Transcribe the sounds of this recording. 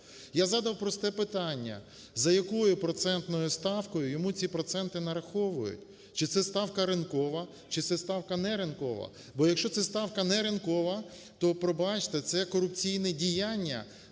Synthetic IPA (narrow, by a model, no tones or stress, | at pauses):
jazɑd̪ɐwpɾɔst̪ɛpɪt̪ɑnʲːɐ̰ | zɐjɐkɔjʊpɾɔt̪sɛnt̪nɔjʊst̪ɑwkɔjʊjɔmut͡sʲipɾɔt̪sɛnt̪ɪnɐɾɐxɔʋʊjʊ̰tʲ | t͡ʃɪt̪sɛst̪ɑwkɐɾɪnkɔʋɐ | t͡ʃɪt̪sɛst̪ɑwkɐnɛɾɪnkɔʋɐ̰ | bɔjɐkʃt͡ʃɔt̪sɛst̪ɑwkɐnɛɾɪnkɔʋɐ | t̪ɔpɾɔbɑt͡ʃt̪ɛt̪sɛkɔɾʊpt͡sʲijnɛdʲijanʲːɐ̰